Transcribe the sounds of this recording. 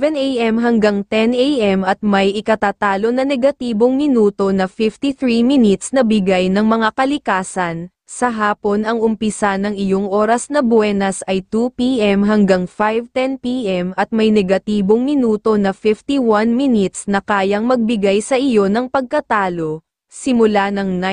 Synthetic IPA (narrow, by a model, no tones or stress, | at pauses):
vɛnʔejʔɛmɦɐŋɡaŋt̪ɛnʔejʔɛmɐt̪̚mɐjʔɪkɐt̪at̪aːlo̞nɐnɛɡɐt̪iːbo̞ŋmɪnuːt̪o̞nɐfɪft̪iθɹiminɪt̪snɐbɪɡajnɐŋmɐŋakɐlɪkaːsɐn | sɐɦaːpo̞nɐŋʔʊmpɪsanɐŋɪjo̞ŋʔo̞ɾɐsnɐbwɛːnɐsʔɐjt̪upiʔɛmɦɐŋɡaŋfajvt̪ɛnpiʔɛmʔɐt̪̚mɐjnɛɡɐt̪iːbo̞ŋmɪnuːt̪o̞nɐfɪft̪iwanmɪnɪt̪snɐkaːjɐŋmɐɡ̚bɪɡajsɐʔɪjo̞nɐŋpɐɡ̚kɐt̪aːlo̞ | sɪmʊlanɐŋn